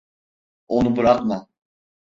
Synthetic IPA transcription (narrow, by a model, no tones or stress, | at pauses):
onubɯɾakma